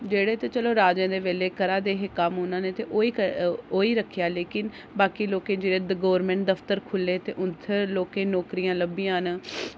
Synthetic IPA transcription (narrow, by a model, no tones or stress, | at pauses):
d͡ʒeːɽeːt̪eːt͡ʃəloːɾaːd͡ʒẽːd̪eːʋeːleːkəɾaːd̪eːɦeːkəmʊnãːneːt̪eːʔoːiːkoːiːɾəkʰːɪjaːleːkɪn | baːkiːloːkẽːd͡ʒeːɽeːd̪ɡoːʋɾmɛ̃ːɳʈ̚d̪əft̪əɾkʰʊlːẽːt̪eːʔʊnt̪ʰːeloːkẽːnɔːkɾijãːləbijãːn